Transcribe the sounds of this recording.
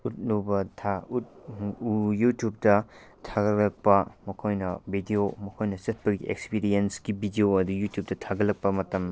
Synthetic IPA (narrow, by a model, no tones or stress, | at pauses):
ut̚nubɐtʰaut̚ujutjup̚tɐtʰaɡɐɾlɐk̚pɐmɐkʰojnɐbʱidijomɐkʰojnɐsɐt̚pɐɡiḛkspiɾijensɡibidioɐdujutjup̚tɐtʰaɡɐlːɐk̚pɐmɐtɐm